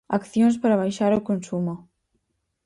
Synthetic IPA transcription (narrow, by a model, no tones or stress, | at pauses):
akθjonspaɾaβ̞ajʃaɾokonsumo